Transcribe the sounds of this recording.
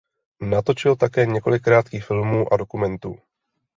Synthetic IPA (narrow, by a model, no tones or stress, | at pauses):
nat̪o̞t͡ʃɪlt̪akɛːɲɛko̞lɪkːɾaːt̪kiːxfɪlmuːʔado̞kumɛnt̪ṵː